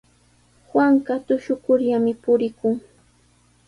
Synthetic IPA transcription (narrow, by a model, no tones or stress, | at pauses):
hwaŋɢɑt̪ʊʃʊkʊɾʎamɪpʊɾɪkʊŋ